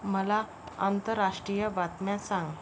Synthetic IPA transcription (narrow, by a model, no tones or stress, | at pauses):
məla | ə̰nt̪əɾːaʂʈɾijəʋat̪mjãsãŋɡ